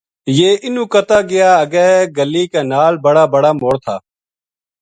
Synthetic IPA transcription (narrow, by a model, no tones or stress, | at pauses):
jeːʔɪnũːkət̪aːɡɪjaːəɡɛːɦɛɡəlːiːkaːnaːlbəɽaːbəɽaːmoːɽt̪ʰaː